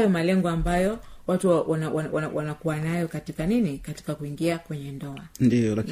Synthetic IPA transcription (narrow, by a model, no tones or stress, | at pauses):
jɔmalɛŋɡɔambajɔwatuwanwwawanakuwanajɔkatikaninikati̥kakuiŋɡiakwɛɲɛndɔandijɔlak